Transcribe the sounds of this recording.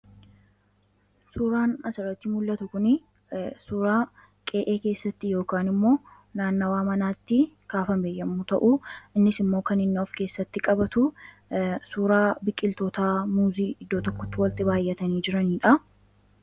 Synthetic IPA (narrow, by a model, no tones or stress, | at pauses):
suːɾaːnɐsɪrɐt̪ːiːmʊlːɐt̪ʊkʊnɪ | suːɾaː | kʼeːʔeːke̞ːsːɐt̪ːɪjo̞ːkaːnɪmːo̞ː | naːnːɐwaːmɐnaːt̪ːɪ | kaːfɐmeːjɐmːuːt̪ɐʔuɪnːɪsɪmːoːkɐnɪnːɔfke̞ːsːɐt̪ːɪkʼɐbɐt̪ʊ | suːɾaːbɪkʼːɪlt̪oːt̪aːmuːziːɪd̪ːo̞ːt̪ɔkːɔ̥t̪ːɪwɐlt̪ɪbaːjːɛt̪ɐniːd͡ʒɪɾɐniːᶑɐ